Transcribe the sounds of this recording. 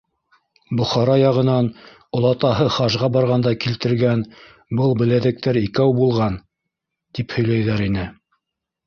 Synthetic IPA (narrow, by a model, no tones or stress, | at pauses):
bŏχɑɾɑjɑʁɤ̆nɑn | ŏlˠɑt̪ɑɦɤχɑʒʁɑbɑɾʁɑnd̪ɑkilt̪ɘ̆ɾɡæn | bɤlˠbɘ̆læðɘ̆k̚t̪æɾikæwbulˠʁɑn | t̪iphɵ̆jlæjðæɾinɘ